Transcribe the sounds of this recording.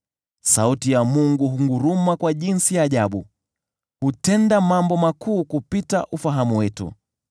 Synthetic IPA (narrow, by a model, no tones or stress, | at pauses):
sautijamuŋɡuɦuŋɡuɾumakwaʄinsijaːʄaɓu | hutɛndamambɔmakuːkupita̰ʔufaɦamuwɛtṵ